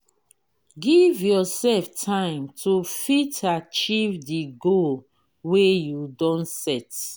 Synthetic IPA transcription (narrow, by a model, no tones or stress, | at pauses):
ɡivjɔsɛlftʰãɪ̃mtʰufitat͡ʃivdiɡo | wejudɔ̃nsɛt